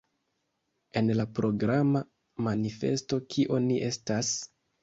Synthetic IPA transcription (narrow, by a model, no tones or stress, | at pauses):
e̞nlapɾo̞ɡɾama | manife̞̰sto̞kʰiʔo̞niʔe̞stas